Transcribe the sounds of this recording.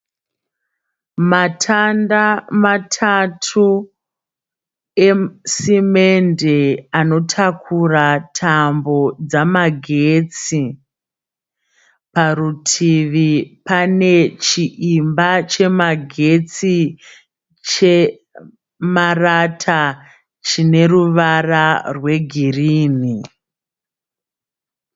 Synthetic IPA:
matʰandamatʰatʰu | e̞simendeano̞tʰakʰuratʰambo̞d͡zamaɡʱet͡si | parutʰiʋipane̞t͡ʃiʔimbat͡ʃe̞maɡʱe̞t͡si | t͡ʃe | maratʰa | t͡ʃine̞ruʋararwe̞ɡʱiriːni

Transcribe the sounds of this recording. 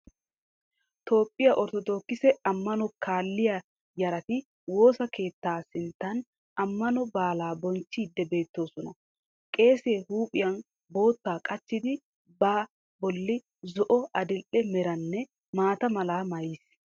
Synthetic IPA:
t̪o̞ːpʼːɪjɐʔɔɾt̪ɔd̪o̞ːkːɪsɛɐmːɐnɔkʰaːlːɪja | jɐɾɐt̪ɪ | wo̞ːsɐkʰe̞ːt̪ːaːsɪnt̪ːɐn | ɐmːɐnɔbaːlaːbɔnt͡ʃːiːd̪ːɛbe̞ːt̪ːo̞ːsɔnɐ | kʼe̞ːse̞ːhuːpʼɪjɐn | bo̞ːt̪ːaːkʼɐt͡ʃːɪd̪ɪ | baː | bɔlːɪ | zɔʔɔɐd̪ɪlʔɛmɛɾɐnːɛ | maːt̪ɐmɐlaːmɐjis

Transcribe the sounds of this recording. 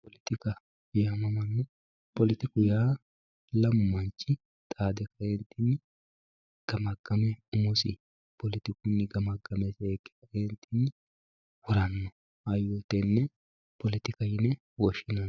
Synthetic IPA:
pɔlɪt̪ɪkɐ | jamɐmɐnːʊ | pɔlɪt̪ɪkʊjaː | lɐmːɐnt͡ʃːɪ | t̪ʼaːd̪ɛkɐɾent̪inːɪ | ɡ̥ɐmɐɡ̥ɐmɛʊmɔsɪ | pɔlɪt̪ɪkʊnːɪɡɐmɐɡɐmɛseːkːɛ̥kɾent̪inːɪ | wʊɾɐnːɔ | ɐjɔt̪ɛnːɛ | pɔlɪt̪ɪkɐjɪnɛ | wɔʃɪnɐn

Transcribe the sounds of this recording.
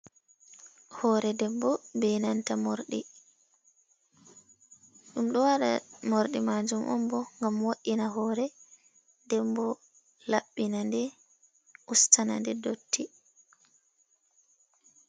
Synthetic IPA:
hɔɾɛdɛbːɔbɛnantamoɾɗḭ | ɗumɗɔwaɗa̰moɾɗimad͡ʒumʔɔ̰mbɔŋɡamwaʔinaɦɔɾɛ | dɛmbɔ | laɓːinandɛ | ʔustʰana̰ndɛdotʰːi

